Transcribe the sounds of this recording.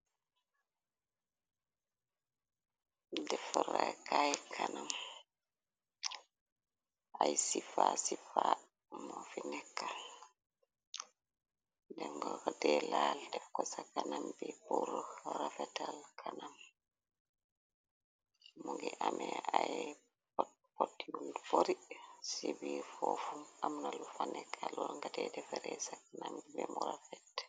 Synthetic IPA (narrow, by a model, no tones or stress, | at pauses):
dɛfuɾakajkʰanam | ʔajsifasifa | mofinɛkːal | dɛŋɡɔkədɛlaldɛfkɔsakanambɛbuɾɔɾafɛtalkʰanam | muŋɡiʔamɛaj | p | potːijunduboɾisibifɔfumamnalufanɛkʰːalɔɾɔŋɡadɛdɛfɛɾɛsakanambibɛmɔɾafɛt